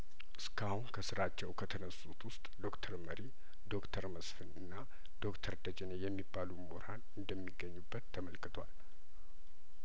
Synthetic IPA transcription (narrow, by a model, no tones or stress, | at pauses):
ʔɨskʰahunkʰəsɨɾat͡ʃːɛwkʰət̪ʰənəsːut̪wʊst̪ʼd̪o̞kt̪ʰəɾməɾi | d̪o̞kt̪ʰəɾməsfɨnɨnːa | d̪̥o̞kt̪ʰəɾd̪əd͡ʒenejɛmːibːalumoɾanɨnd̪əmːiɡːəɲːubːət̪ʰːəməlkɨt̪ʰwa̰l